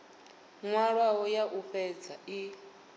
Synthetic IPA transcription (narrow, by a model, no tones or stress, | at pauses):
ŋwaɺawɔjaʔuɸɛd͡zai